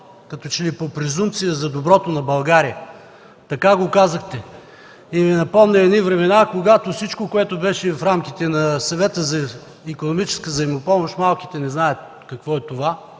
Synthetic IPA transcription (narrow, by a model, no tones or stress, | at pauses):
kɐt̪ɔt͡ʃɛlipopɾɛzumt̪sijəzɐd̪obɾɔt̪onɐbɐlˠɡaɾijə | t̪ɐkaɡokazəxt̪ɛ | ivinɐpɔmnɛɛd̪nivɾɛmɛnakoɡat̪ofsit͡ʃkokoɛt̪ʊbɛʃɛfɾamk̟it̪ɛnɐsɐvɛt̪əzɐ | ikonomit͡ʃɛ̥skəzɐimopɔmoʃt̪malˠki̥t̪ɛnɛznajət̪ | kɐkvɔɛt̪ova